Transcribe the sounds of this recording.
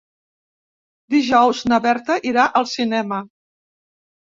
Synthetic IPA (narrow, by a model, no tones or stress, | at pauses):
d̪iʒɔwznəβɛɾt̪əʔiɾaʔəlˠsinɛmə